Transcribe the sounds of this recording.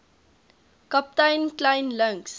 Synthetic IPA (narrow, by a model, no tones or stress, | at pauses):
kap̚tãjnklãɪnlə̃ŋks